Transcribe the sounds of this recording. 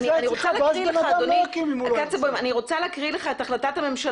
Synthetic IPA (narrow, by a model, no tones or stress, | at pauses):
niaaniʁot͡saleakʁileadonikimimak̪at͡sebomaniʁo̞t͡saleakʁileχaetaχlatathame̞mʃa